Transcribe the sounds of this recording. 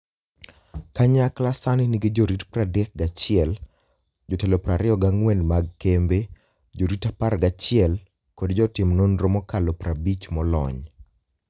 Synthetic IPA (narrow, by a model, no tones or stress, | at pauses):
kaɲaklasanɪnɪɡɪd͡ʒoɾitpradɛk̚ɡat͡ʃɪɛl | d͡ʒɔtɛlopɾaɾɪɔɡaŋwɛnmaɡ̚kembe | d͡ʒoɾitaparɡat͡ʃɪɛl | kodd͡ʒɔtɪmnonɾomɔkalɔpɾabit͡ʃmɔlɔ̰ɲ